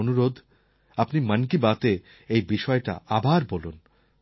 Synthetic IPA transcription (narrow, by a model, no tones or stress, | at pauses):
onuɾod̪ʱ | apnimənkibat̪e | ejbiʃɔeʈa̰ʔabaɾbolun